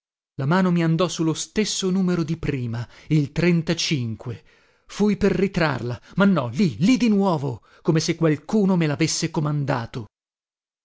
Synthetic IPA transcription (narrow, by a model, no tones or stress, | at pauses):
lamaːnomiand̪ɔsulost̪esːonuːmeɾod̪ipɾiːmailt̪ɾent̪at͡ʃiŋkwe | fujperːit̪ɾa̰rlamanːɔlilid̪inwɔːvo | komesekːwalkuːnomelavesːekomand̪a̰ːt̪o